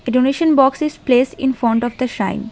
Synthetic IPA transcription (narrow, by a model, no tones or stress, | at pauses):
eɖoneʃə̃nbɔːksɪzpleːsʈɪ̃nfɾɔ̃ɳʈɔʋd̪əʃã̰ɪ̃n